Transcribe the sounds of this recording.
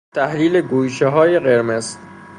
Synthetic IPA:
t̪ʰæhliːleɡuːjʃeɦɒːjeɣeɾmez

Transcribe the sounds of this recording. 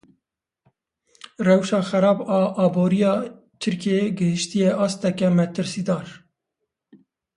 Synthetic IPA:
rɛwʃɑːxɛɾɑːbɑːʔɑːboːɾijɑː | t̪ʰɨɾkeɡɨhɨʃt̪ijɛʔɑːst̪ɛkɛmɛt̪ʰɨɾsiːd̪ɑːɾ

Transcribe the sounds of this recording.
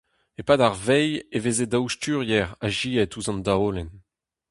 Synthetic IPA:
epadaʁvɛjevezedawʃtyːʁjɛʁaʒiːɛtuzɑ̃nd̪aoːlɛn

